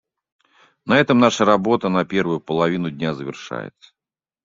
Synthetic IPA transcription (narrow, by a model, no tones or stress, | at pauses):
nɐɛt̪əmnaʂəɾɐbo̞t̪ənɐpʲe̞rvʊjʊpəlˠɐvʲinʊdʲnʲazəvʲɪ̰rʂa̰jɪ̰t̪sə̥